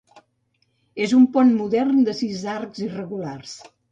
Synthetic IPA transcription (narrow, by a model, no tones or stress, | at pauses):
ezumpɔnmuðɛrnd̪əsizarkzirəɣulars